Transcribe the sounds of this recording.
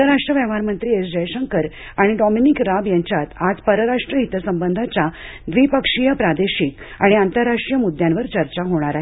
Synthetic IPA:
əɾaʂʈɾəʋɛʋ̤aɾmənt̪ɾiːesd͡ʑəjɕəŋkəɾ | aɽ̃iɖɔminikɾabjãɲt͡ɕjat̪ad͡zpəɾəɾaʂʈɾəɦit̪əsəmbənd̪ʱat͡ɕa | d̪ʋipəkʂijəpɾad̪eɕik | a̰ɽ̃iant̪əɾːaʂʈɾijəmud̪ʱjãnʋəɾt͡ɕəɾt͡ɕaɦoɽ̃aɾaɦ

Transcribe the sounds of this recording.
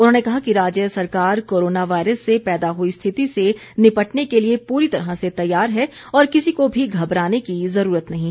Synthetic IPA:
ʊnɦoːnekɐɦakiɾaːd͡ʒjəsɐɾkaːɾkoːɾoːnaʋaːɪɾəsːepɛːd̪aɦoist̪ʰɪt̪ise | nɪpɐʈnekeliepuːɾit̪ɐɾɦaset̪ɐjːaːɾɦɛ | ɔːɾkɪsikobʱiɡʱɐbɾaːnekizɐɾuːɾət̪nɐɦĩ

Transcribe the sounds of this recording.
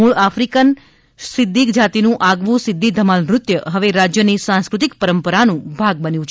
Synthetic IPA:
uɭafɾikən | sɪd̪ʱːikd͡ʒat̪inũʔaɡʋũsɪd̪ʱːid̪ʱəmalɾʊt̪jəɦəʋeɾad͡ʒjənisãnskɾut̪ikpəɾəmpəɾanũbʱaɡ̚bənjũt͡ʃʰ

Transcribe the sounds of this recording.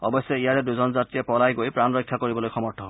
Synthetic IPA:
ɔ̰bɔsjɔijaɹɛduzɔnzatɹijɛpɔlajɡojpɹanɹɔjkʰːjakoɹibɔlojxɔmɔɹtʰːɔɦ

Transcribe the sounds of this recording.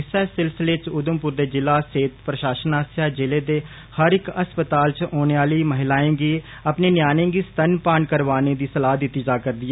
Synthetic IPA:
ɪsɛːsɪlsɪleːt͡ʃʊd̪əmpʊɾd̪eːd͡ʒɪlaːseːt̪pɾəʃaːʃənaːsaːd͡ʒɪleːd̪eː | həɾɪkəspət̪aːlt͡ʃoːneːaːliːməɦɪlaːẽːɡiː | əpneːnjaːnẽːɡiːst̪ənpaːɳkəɾʋaːneːd̪iːsəlaːɦd̪ɪt̪ːiːd͡ʒaːkəɾd̪iɛ

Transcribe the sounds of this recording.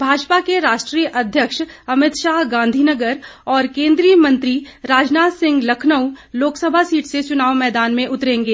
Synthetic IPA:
bʱaːd͡ʒpakeɾaːʃʈɾiːjəʔɐd̪ʱjəkʃɐmɪt̪ʃaːɦɡãːnd̪ʱinəɡəɾɔːɾkẽːnd̪ɾijəmɐ̃nt̪ɾiɾaːd͡ʒnaːsɪ̃ŋɡlɐkʰnəwloːksəbʱasiːʈʰset͡ʃʊnaːʋmɛːd̪aːnmẽʔʊt̪ɾẽːŋɡeː

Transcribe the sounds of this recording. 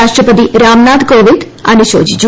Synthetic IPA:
aʃʈɾəpət̪̬iɾamnad̪koʋid̪ | a̰niʃo̰ːd͡ʒid͡ʒ

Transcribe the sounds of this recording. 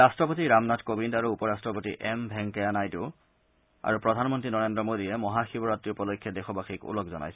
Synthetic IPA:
astɹɔpotiɹamnatkobindaɹuupɔɹastɹɔpotḭʔɛmbʱɛŋkɛanajtʊ | a̰ɹupɹɔdʱanmɔntɹinɔɹendɹɔmodijɛmɔɦaxibɔɹatːiupɔlokʰːjɔdɛxɔbaxikṵlɔkzɔna̰jsɛ

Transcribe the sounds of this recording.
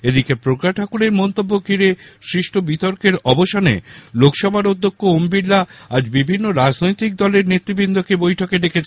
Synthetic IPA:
ed̪ikepɾokɾaʈʰakuɾeɾmɔnt̪obːokiɾeʃɾiʃʈʰobit̪oɾkeɾɔboʃanḛlokʃɔbʱaɾod̪ʱːokːoombiɾlaad͡ʑbibʱinːoɾad͡ʑnojt̪ik̚d̪ɔleɾnet̪ːɾibind̪ʱokebojʈʰokeɖekʰet͡ɕʰ

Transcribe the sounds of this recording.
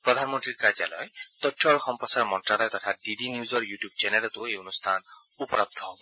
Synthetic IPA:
pɹɔd̪ʱanmɔntɹiɹkaza̰lɔ̰jt̪ɔjtʰːɔɹxɔmpɔsaɹmɔntɹalɔjtɔtʰadidiniuzɔɹjutjub̚t͡ʃɛnɛlɔtʊejonustʰan | upɔɹab̚d̪ʱʰɔɦɔbɔ

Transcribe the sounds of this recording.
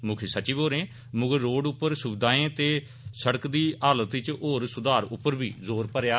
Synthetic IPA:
mʊkʰiːsət͡ʃiʋoːɾẽː | mʊɡəɾːoːɖʊpːəɾsʊbɪd̪aːẽːt̪eː | səɽəkd̪iːʔaːlət̪ɪt͡ʃoːɾsʊd̪aːɾʊpːəɾbiːzoːɾpəɾjaː

